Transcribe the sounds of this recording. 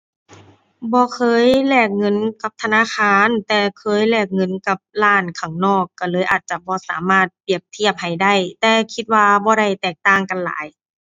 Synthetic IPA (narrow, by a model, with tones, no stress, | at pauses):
bɔː˧˦kʰɤː˧˥˨jlɛː˧˩k̚ŋɤ˧˥˨nka˧˦p̚t̪ʰa˧naː˧˥˨kʰaː˧nt̪ɛː˧˩kʰɤː˧˥˨jlɛː˧˩k̚ŋɤ˧˥˨nka˧˦p̚laː˧˥˩nkʰa˨˩˦ŋnɔː˥˩kːaː˧˩lɤː˧˨jʔaː˨˩t̪̚t͡ɕa˧˩bɔː˧˦sa̰ː˨˦maː˧˥˩t̪̚pi˨˩əp̚t̪ʰi˧˩əp̚ha˧˨˩jda˥˩jt̪ɛː˧kʰi˧t̪̚waː˧bɔː˧˦ɾa˧˩jt̪ɛː˨˩k̚t̪aː˧˩ŋka˨nla̰ː˨˦j